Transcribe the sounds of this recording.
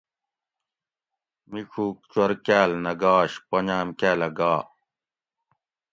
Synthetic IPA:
mikʰuːk̚t͡ɕwɐɾkæːlnɐɡaːɕpɐɲaːmkæːlɐɡaː

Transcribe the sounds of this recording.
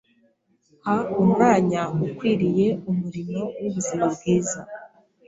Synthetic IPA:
haummaːɲaukwiːɾije̞umuɾino̞wuβuziɾaβbɡiːza

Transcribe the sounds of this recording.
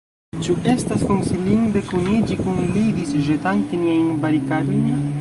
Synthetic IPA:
t͡ʃuʔe̞staskonsiliŋɡbekunid͡ʒikunlid̪isʒetaŋkeniajnbaɾikaɾojn

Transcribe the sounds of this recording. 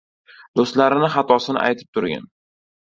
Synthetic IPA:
d̪̥ost̪laɾɪnɪχɑt̪ʰɒsɪnɪ̰ʔa̰jt̪ʰɪ̥p̚t̪ʰʊɾɡʲa̰n

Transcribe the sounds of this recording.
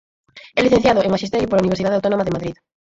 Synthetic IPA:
ɛliθẽ̟θjaðʊeŋmaʃist̪ɛɾjʊpoɾlauniβ̞eɾsiðaðeawt̪onomaðemaðɾið

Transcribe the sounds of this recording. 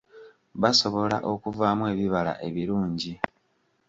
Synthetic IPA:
βaso̞βo̞la̰ʔo̞kuvaːmwe̞ːβiβala̰ʔe̞βiɾuːɲɟi

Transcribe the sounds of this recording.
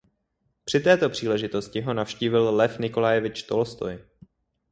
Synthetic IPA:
pr̥ɪt̪ɛːt̪o̞pr̝̥iːlɛʒɪt̪o̞scɪɦo̞nafʃciːvɪllɛfnɪko̞lajɛvɪt͡ʃt̪o̞lst̪o̰j

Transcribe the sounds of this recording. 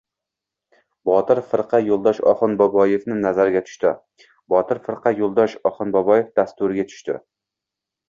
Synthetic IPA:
bɒt̪ʰɪɾfɨɾqʰɑjolˠd̪ɒʃɒ̰χɨnbɒbɒjefnɪnazaɾɪɡʲat̪ʰʊ̥ʃt̪ɪ | bɒt̪ʰɪɾfɨɾqʰɑjolˠd̪ɒʃɒχɨnbɒbɒjefd̪ast̪ʊɾɪɡʲat̪ʰʊ̥ʃt̪ɪ̰

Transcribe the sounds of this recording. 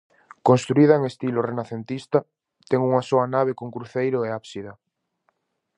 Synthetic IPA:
konst̪ɾuiðɐeŋest̪ilorenaθent̪ist̪a | t̪ɛŋuŋasoanaβ̞ekoŋkɾuθejɾʊeaβsiða

